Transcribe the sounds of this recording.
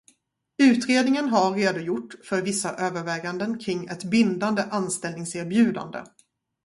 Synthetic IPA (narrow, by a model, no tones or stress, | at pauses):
ʉ̟ːt̪ɾeːd̪nɪŋənɦaɾːeːd̪ʊjʊʈːfœɾvɪsːaʔøːvəɾvɛːɡand̪ənkʰɾɪŋːɛt̪bɪnd̪and̪əʔanst̪ɛlnɪŋseːɾbjʉ̟ːd̪a̰nd̪ə̰